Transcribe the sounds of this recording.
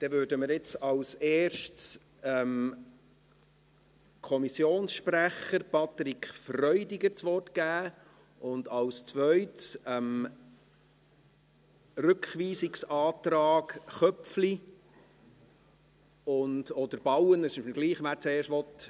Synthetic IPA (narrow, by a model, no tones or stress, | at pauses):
d̪̥ɛvøːɾdəməɾɪt͡sɑwseːʃts | ɛm | kʰɔmisjoːnsʃpræχəɾpʰɑt̪ɾikχfrœʏdɪɡəɾt͡sʋɔrtɡ̥æː | ʔʊndɑwst͡sʋœʏtsɛm | rʉkχʋiːsɪksɑːt̪ɾɑːɡχœpfli | ʊndɔd̥̪əɾb̥ɑwənəsɡ̥liːχʋæːɾt͡seːʃtʋɔt